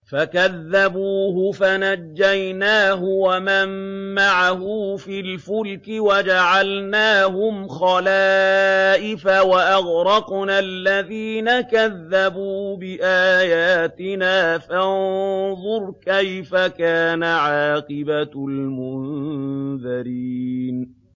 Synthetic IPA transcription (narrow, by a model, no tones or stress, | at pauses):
fakaðːabuːɦʊfanad͡ʒːajnaːɦʊwamamːaʕaɦʊfilfʊlkɪwad͡ʒaʕalnaːɦʊmxɑlaːʔɪfawaʔaɣɾˤɑqnalːaðiːnakaðːabuːbɪʔaːjaːt̪ɪnaːfanðˤʊɾˤkajfakaːnaʕɑːqɨbalmʊn | ðaɾiːn